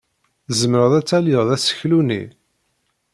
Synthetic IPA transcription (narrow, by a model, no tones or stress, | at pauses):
zəmɾəʁðæt͡sːæljəʁðæsə̥çlunḭ